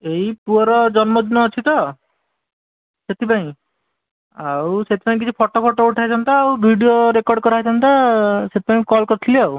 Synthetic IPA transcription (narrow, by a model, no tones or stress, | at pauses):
eɦipuɔɾɔd͡ʒɔnmɔd̪nɔːt͡ʃʰit̪ɔ | set̪ʰipãĩ | awset̪ʰi̥pãĩk̬it͡ʃʰipʰɔʈopʰɔʈouʈʰajt͡ʃʰɔnt̪aːwbʱiɖijoɾekɔɖkɔɾaɦjt͡ʃʰant̪aset̪ʰi̥paĩkɔlkɔɾt̪ʰiliaw